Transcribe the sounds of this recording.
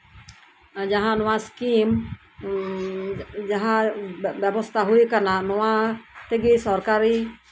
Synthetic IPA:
d͡ʒaɦanoaskim | d͡ʒaɦababɔst̪aɦuikarnanoat̪ɛɡisɔrkaɾi

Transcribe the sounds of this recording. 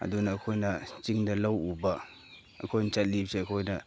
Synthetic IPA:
ɐ̰dunɐɐkʰojnɐt͡ʃiŋdɐlɐwubɐ | ɐ̰kʰojnt͡ʃɐt̚lip̚seɐkʰojnɐ

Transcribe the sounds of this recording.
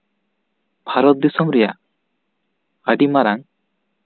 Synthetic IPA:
bʱaɾɔt̪̚d̪isɔŋɾɛja̰ | aɖimaɾaŋ

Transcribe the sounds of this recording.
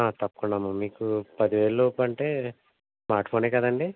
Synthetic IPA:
aːt̪ɐpːɐ̥kuɳɖaːmumiːkupɐd̪iʋeːɭloːpɐɳʈeː | smaːɾʈpʰoːneːkɐd̪ɐɳɖi

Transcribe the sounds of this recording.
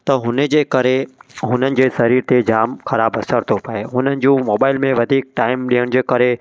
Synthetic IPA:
t̪ɐɦʊnəd͡ʑeːkɐɾeɦʊnənɪ̆d͡ʑeːsɐɾiːɾt̪ʰed͡ʑaːmxɐɾaːbɐsəɾt̪ʰopɐeɦʊnənɪ̆d͡ʑũːmoːbaːɪlmẽʋɐd̪ʱiːk̚ʈaːɪmɗiːəɽ̃̆d͡ʑeːkɐɾe

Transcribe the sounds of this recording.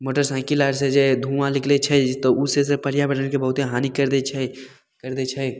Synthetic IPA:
moːʈəɾsãːkilaːɾsed͡ʒed̪ʱũmãlɪkʰlet͡ʃʰɛt̪ɔusesepəɽjabɛʈʰənkebəɦʊt̪eɦaːnikəɾd̪et͡ʃʰɛ | kəɾd̪et͡ʃʰɛ

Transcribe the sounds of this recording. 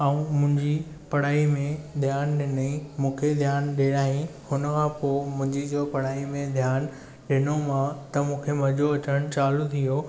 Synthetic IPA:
aũmʊ̃ɦɪ̃ɲd͡ʑi | pɐɽ̤aːimẽd̪ʱjaːnɗɪnimũːkʰed̪ʱjaːnɗeːɽaːɦĩhʊnəkʰãpoːmʊ̃ɦɪ̃ɲd͡ʑid͡ʑoːpɐɽ̤aːimẽd̪ʱjaːn | ɗɪnomãt̪ɐmũːkʰemɐd͡ʑoɐt͡ɕəɽ̃t͡ɕaːlut̪ʰijo

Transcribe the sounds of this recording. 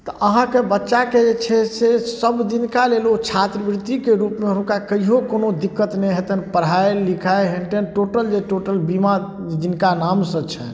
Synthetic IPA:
t̪ɔʔəɦãkebətːʃaked͡ʒet͡ʃʰɛsesəbd̪inkalelot͡ʃʰat̪ɾəbɾit̪ikeɾupmeɦənkakəiɦokonod̪ikːət̪neɦet̪ənpəɽ̤ɦaelikʰaeɦenʈenʈoʈəld͡ʒeʈoʈəlbimad͡ʒinkanamsə̃t͡ʃʰɛ̰

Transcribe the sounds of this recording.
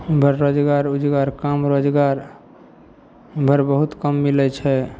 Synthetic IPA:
bʱəɾːod͡ʒɡaɾud͡ʒɡaɾkamɾod͡ʒɡaɾ | bʱəɾbəɦut̪kəmːilɛt͡ʃʰɛ

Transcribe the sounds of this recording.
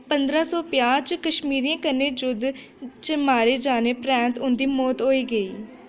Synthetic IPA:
pənd̪ɾaːsɔːpɪjaːt͡ʃkəʃmiːɾijãːkəɾneːd͡ʒʊd̪ | t͡ʃəmaːɾeːd͡ʒaːneːpɾɛ̃ːnt̪ʊnd̪iːmɔːt̪ɦoːiːɡəiː

